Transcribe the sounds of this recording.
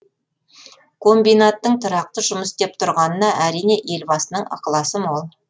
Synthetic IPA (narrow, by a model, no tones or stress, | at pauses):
kʰo̞mbijnat̪ːəɴt̪ʰʊɾɑq̚t̪əʒʊməsd̪e̞p̚t̪ʰʊɾʁɑnənɑʔæɾijne̞ʔe̞lbɑsənəɴɑ̰qlˠɑsəmolˠ